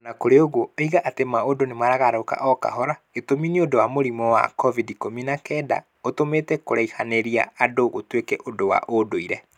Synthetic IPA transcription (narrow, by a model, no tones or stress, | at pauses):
nakoɾeoɣoiɣaʔatemaodonemaɾaɣaɾoka̰ʔɔka̰ɦɔɾa | etominiodowamoɾimɔwa̰kɔvidikominakɛːda̰ | otometɛkoɾaihaneɾia̰adoɣotwekɛʔodowa̰ʔodoiɾɛ